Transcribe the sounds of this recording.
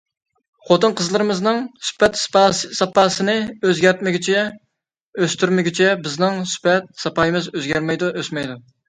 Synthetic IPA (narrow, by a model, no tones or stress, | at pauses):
χot̪ɨnqʰəzlˠəɾɨmɨznɨŋsy̥pɛt̪spɑsɑpʰɑːsɨnɨøzɡʲɛɾt̪mɪɡʲyt͡ʃʰɛ | øst̪yɾmɪɡʲyt͡ʃʰɛbɪznɪŋsy̥pɛt̪̚sɑpɑːjɨmɨzøzɡʲɛɾmɛjd̪uʔøsmɛjd̪u